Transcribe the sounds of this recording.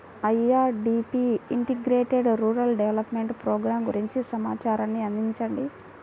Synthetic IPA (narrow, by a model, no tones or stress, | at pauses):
ɐjaːɾɖiːpiiɳʈiɡɾeːʈeɖɾuːɾɐlɖeʋelɐpmeɳʈpɾɔːɡɾaːmɡuɾiɲt͡ʃisɐmaːt͡ʃaːɾanːiɐnd̪iɲt͡ʃɐɳɖi